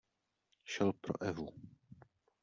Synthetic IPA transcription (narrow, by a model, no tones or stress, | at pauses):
ʃɛlpɾo̰ʔɛvu